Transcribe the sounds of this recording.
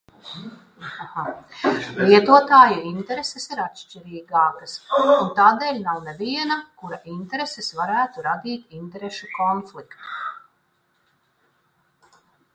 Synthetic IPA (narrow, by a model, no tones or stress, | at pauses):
aha | lˠiɛt̪uɔt̪aːjuint̪eɾesesiɾat̪ʃt͡ʃiɾiːɡaːkəsunt̪aːd̪eːlʲnawneviɛnɐkuɾaʔint̪eɾesesvaɾæːt̪uɾad̪iːt̪int̪eɾeʃukɔnflikt̪u